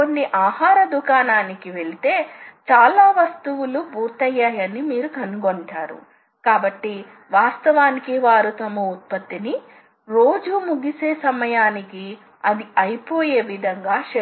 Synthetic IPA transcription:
konːiʔaːhaːɾɐd̪ukaːnaːnikiʋe̞ɭit̪e̞ːt͡ʃaːlaːʋɐst̪uwulubʱuːɾt̪ɐjːaːjɐnimiːɾukɐnːuɡoɳʈaːɾṵ | kaːbɐʈːi | ʋaːst̪ɐʋaːnikiʋaːɾut̪ɐmɐut̪̚pɐt̪ːini | ɾo̞ːd͡ʒumuɡise̞ːsɐmɐjaːniki | ɐd̪iɐjpo̞ːje̞ːʋid̪ʱɐŋɡaːʃe

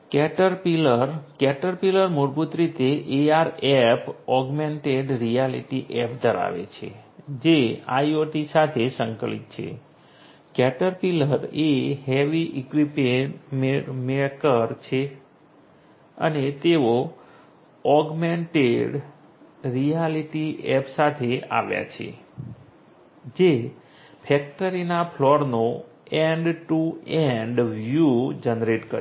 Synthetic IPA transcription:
kɛʈəɾpiləɾkɛʈəɾpiləɾmuɾbut̪ɾit̪eʔeaɾɛpɔɡmeɳʈeɖɾijalḭʈiʔɛpd̪ʱəɾa̰ʋḛt͡ʃʰḛd͡ʒea̰joʈisat̪ʰesəŋkəlḭt̪̚t͡ʃʰḛ | kɛʈəɾpiləɾeɦeʋiʔikʋipememeɭkəɾt͡ʃʰe | ə̰net̪eo | ɔɡmeɳʈeɖ | ɾijaliʈiɛpsat̪ʰea̰ʋja̰t͡ʃʰḛ | d͡ʒe | pʰɛk̚ʈəɾinapʰlɔɾno | ɛɳɖʈuɛɳɖʋjud͡ʒenɾeʈkə

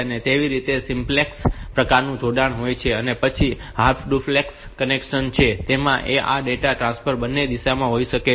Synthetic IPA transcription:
net̪eʋiɾit̪esimplekspɾəkaɾnũd͡ʒʱoɖaɳ̃ɦojt͡ʃʰeənepət͡ʃʰiɦaɾpʰɖuflekskənekʃənt͡ʃʰet̪emãʔeʔa̰ɖeʈaʈɾãsfʰəɾbənːed̪iʃamãɦoiʃəke

